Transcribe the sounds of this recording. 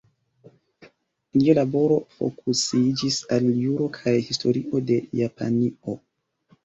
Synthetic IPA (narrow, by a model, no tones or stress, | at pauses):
lialabo̞ɾo̞fo̞̰kusid͡ʒisaljuɾo̞kʰajhisto̞ɾiʔo̞de̞japa̰nio